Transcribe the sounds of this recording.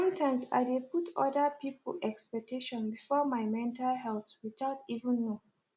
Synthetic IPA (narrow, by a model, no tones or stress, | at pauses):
sʌ̃mtʰãɪ̃msa̰ɪdeputʰɔdəpiplɛkspɛk̚tʰeʃɔ̃nbifɔmaɪmɛ̃ntalhɛlθwidaʊtʰivə̃nːo